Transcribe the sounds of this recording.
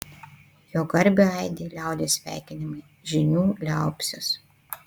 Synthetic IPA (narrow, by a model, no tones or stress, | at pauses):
joːɡɐɾʲbʲeɐɪd̪ʲiːlʲæˑʊd̪ʲeːsʲʋʲæ̰ˑɪkʲɪnʲɪmɐɪ | ʒʲɪnʲuːlʲæˑʊpʲsʲos